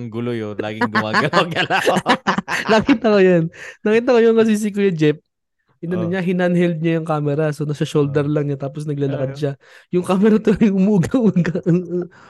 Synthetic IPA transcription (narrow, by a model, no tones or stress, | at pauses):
ŋɡʊlojola̰ːɡɪŋɡʊmaːɡɐlaɡɐla | nɐkit̪ɐkojonnɐkiːt̪ɐkojonŋɐs̬iːs̬ikojɐd͡ʒɛp̚ | ʔɪnɐnoɲaɦɪnɐnhɛld̪̚ɲajʊŋkaːmɛɾasonɐsɐʃold̪ɛɾlɐŋɲat̪aːposnɐɡ̚laːlɐkɐd̪̚ʃa | jʊŋkaːmɛɾɐt̪oɐjŋʔʊmuːɡɐuɡɐʔoʔo